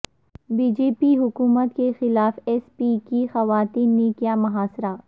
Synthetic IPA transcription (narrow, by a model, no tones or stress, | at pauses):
biːd͡ʒeːpiɦʊkuːmət̪kexɪlaːfɛːspiːkixɐʋaːt̪iːnːekjaːmɐɦaːsɾaː